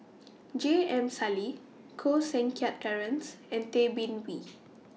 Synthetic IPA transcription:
d͡ʒeɛ̃msali | kʰosɛ̃nkʰat̚tɛɹə̃nsɛ̃ntebĩnwi

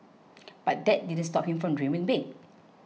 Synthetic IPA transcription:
b̥at̚dɛt̚didə̃nstɔp̚hĩmfɹɔ̃mdɹĩmə̃nbek̚

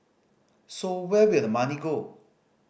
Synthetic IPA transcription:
sowɛwɪlmaniɡo

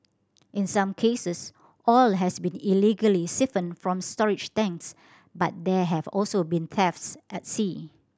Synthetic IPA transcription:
ʔɪ̃nsãmkʰesəs | ʔɔlɦɛsbĩniliɡəlisɪfə̃nfɹɔ̃mstɔɹɪd͡ʒtɛ̃ŋks | bat̚dɛɦɛvɔlsobĩnt̪ʰɛftsʔɛt̚si

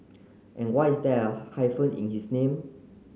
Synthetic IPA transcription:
ʔɛ̃nwajisdɛəhajfə̃nḭ̃nhisnẽm

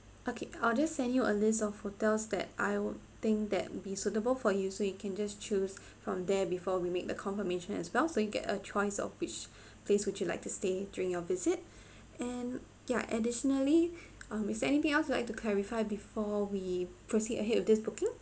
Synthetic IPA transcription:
ʔokʰeald͡ʒassɛ̃ndjuʔəlɪs̬tɔfhotɛlsd̪ɛ̰t̚ʔa̰ɪt̪ɪ̃ŋk̚d̪ɛ̰t̚bisutəbəlfɔjusojukʰɛ̃nd͡ʒast͡ʃʰuz | fɹɔ̃md̪ɛbifɔwimek̚d̪əkʰɔ̃nfəmeʃə̃nɛ̰swɛlˠsojuɡɛ̰tə̰t͡ʃʰɔɪsɔ̰fwɪt͡ʃ | pʰleswɪt͡ʃjula̰ɪk̚tustedjuɹɪ̃ŋjɔvɪzɪt̚ | ɛ̃n | ja̰ʔədɪʃənəli | ʌ̃mɪfsɛnit̪ɪ̃ŋɛlsjulaɪk̚tukʰlɛɹifaɪbifɔwipʰɹosidəɦɛdɔfdɪsbʊkɪ̃ŋ

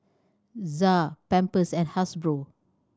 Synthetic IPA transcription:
zapɛ̃mpəsɛ̃nhasbɹo

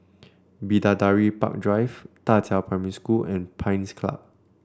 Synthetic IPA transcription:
bidadaɹipa̰k̚dɹajvtatʰɛpɹɛmɛɹiskulɛ̃npʰãj̃nskʰla̰p̚

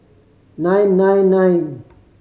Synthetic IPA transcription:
najnːãjnːajn

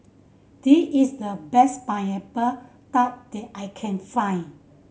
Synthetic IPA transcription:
d̥iisdəbɛspãjɛpə | t̪at̚d̥ɛt̚ʔajkʰɛ̃nfãj̃n

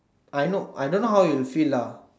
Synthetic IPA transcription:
ajnoa̰jdõnːoɦawjulfila

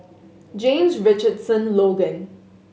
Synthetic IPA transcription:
d͡ʒẽːmzʋɪt͡ʃəɖsə̃nloːɡə̃n

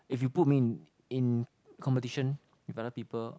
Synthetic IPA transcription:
ifjuput̚min | ĩn | kʰɔ̃mpətiʃə̃n | wifadəpipəl

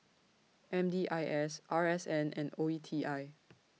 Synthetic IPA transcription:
ʔɛ̃mdiːʔajʔɛsʔaɹɛsɛ̃nɛ̰̃noitʰiʔaɪ

